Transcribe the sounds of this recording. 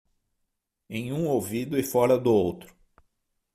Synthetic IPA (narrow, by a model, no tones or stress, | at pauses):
ẽj̃ũowvid̪ʊɪfɔɾɐd̪ʊowt̪ɾʊ